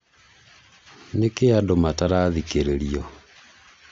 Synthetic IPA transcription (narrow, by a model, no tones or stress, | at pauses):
nekeadomataɾaðikeɾeɾiɔ